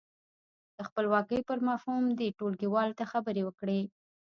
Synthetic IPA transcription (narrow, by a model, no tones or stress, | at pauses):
d̪̥əxpəlwɑkəjpəɾmɑfhumd̪eʈolɡiwɑlt̪axabəɾewəkɽe